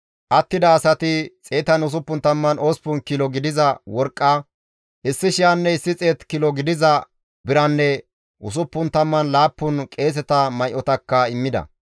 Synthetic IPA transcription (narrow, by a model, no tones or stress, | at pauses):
ʔɐt̪ːɪd̪ɐːsɐt̪ɪt͡sʼeːt̪ɐnʊs̬ʊpːʊnt̪ɐmːɐno̞ːspʊnkɪlɔɡɪd̪ɪzɐwɔɾkʼːɐ | ʔɪsːɪʃɪjanːɛɪsːɪt͡sʼeːt̪kɪlɔɡɪd̪ɪzɐ | bɪɾɐnːɛ | ʔʊs̬ʊpːʊnt̪ɐmːɐnlaːpːʊnkʼe̞ːs̬ɛt̪ɐmɐjʔɔt̪ɐkːɐɪmːɪd̪ɐ̰